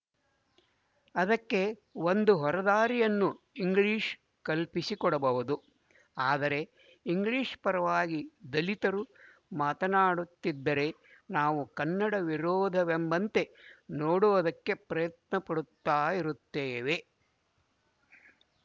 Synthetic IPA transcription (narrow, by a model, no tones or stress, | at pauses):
ɐd̪ɐkːe̞ond̪uɦɔɾɐd̪aːɾijɐnːu | iŋɡɭiːʂ | kɐlpisikɔɽɐbɐʋud̪u | aːd̪ɐɾe̞ | iŋɡliːʂpɐɾɐʋaːɡid̪ɐlit̪ɐɾu | maːt̪ɐnaːɽut̪ːid̪ːɐɾe̞ | naːʋukɐnːɐɽɐʋiɾɔːd̪ʱɐʋembɐnt̪e̞noːɽuʋɐd̪ɐkːe̞pɾɐjɐt̪nɐpɐɽut̪ːaːjiɾut̪ːeːʋe̞